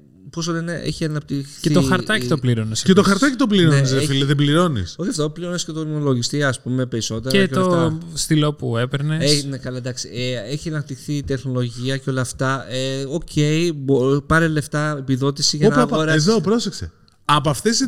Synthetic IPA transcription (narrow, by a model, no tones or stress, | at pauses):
pos̬oleneʔḛçiɐnɐp̚t̪ixθeit̪oxɐɾt̪ɐit̪opliɾonescet̪oxɐɾtt̪ɐcit̪opliɾoenizðefileðebliɾo̞nḭsoçɐft̪opliɾo̞nescet̪onolo̞ʝist̪iːspume̞pe̞ɾiso̞t̪e̞ɾeɐket̪ɐoft̪ost̪ilo̞puepeɾneenekɐlɐd̪ɐksieeçiɐnɐp̚t̪ixθit̪e̞xno̞lo̞ʝiɐceo̞lɐːft̪ɐeo̞cʰe̞ibopɐɾele̞ft̪ɐepiðo̞t̪isiʝɐonɐpoɾɐeðopɾo̞seksḛ | ɐpoɐft̪esi